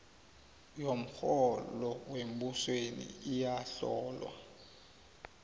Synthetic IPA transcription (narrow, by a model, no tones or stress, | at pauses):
jom̩xɔlɔwem̩buswenḭːjaɬɔːlwa̰